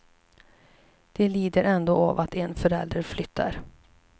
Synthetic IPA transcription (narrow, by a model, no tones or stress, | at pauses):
d̪̥ɛliːd̪əɾɛnd̪oːɔvat̪ɛnfœɾɛ̰ld̪ɾəɾflʏt̪ʰːa̰ɾ